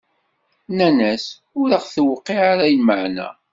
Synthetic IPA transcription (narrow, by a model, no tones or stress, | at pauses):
nænæs | ʊɾəχθwqːiʕaɾæjəməʕnæ̰